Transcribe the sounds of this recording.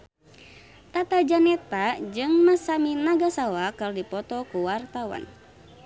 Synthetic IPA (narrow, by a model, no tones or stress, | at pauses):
t̪at̪ad͡ʒanɛt̪ad͡ʒɨŋmasaminaɡasawakərdipɔt̪ɔkuwart̪awa̰n